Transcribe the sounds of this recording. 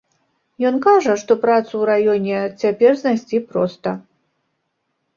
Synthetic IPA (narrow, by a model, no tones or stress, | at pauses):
jɔnkaʐɐʂt̪ɔpɾat̪suwɾajɔnʲɛt͡sʲapʲɛrznasʲt͡sʲipɾɔst̪ɐ